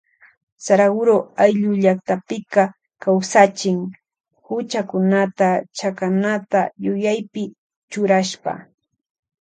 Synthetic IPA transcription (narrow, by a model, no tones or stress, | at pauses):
saɾaɡʊɾoajʎʊʎakt̪apɪka | kawsat͡ʃɪŋ | hʊt͡ʃakʊnat̪at͡ʃakanat̪ajʊjajpɪ | t͡ʃʊɾaʃpa̰